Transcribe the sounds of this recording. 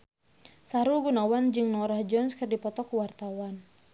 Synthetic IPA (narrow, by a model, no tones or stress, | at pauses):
saɾulɡunawand͡ʒɨŋnɔɾahd͡ʒɔnskɨrdipɔt̪ɔkuwart̪awan